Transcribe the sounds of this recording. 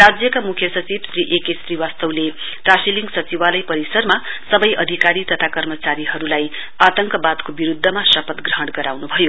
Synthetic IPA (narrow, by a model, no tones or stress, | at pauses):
rad͡zjʌkamukʰjʌsʌt͡sibsriʔekesriwast̪ʌwle | ʈrasiliŋɡsʌt͡siwalʌjpʌɾisʌrmasʌbʌjʌd̪ʱikaɾit̪ʌt̪ʰakʌrmʌt͡saɾiɦʌɾulaj | at̪ʌŋkʌbad̪kobiɾud̪ʱːʌmasʌpʌt̪ɡrʌɦʌɽɡʌɾawnubʱʌjo